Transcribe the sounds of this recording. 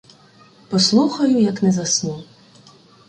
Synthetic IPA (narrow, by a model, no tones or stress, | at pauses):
pɔslˠuxɐjʊjɐknɛzɐsnu